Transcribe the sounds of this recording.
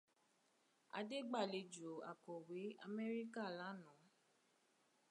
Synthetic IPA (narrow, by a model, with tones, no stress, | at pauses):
a̰˧de˦ɡ͡ba˦˨le˧d͡ʒo˨a̰˨kɔ˨we˨˦a˧mɛ˦ɾi˦ka˦˨la˨˦nũ˨˦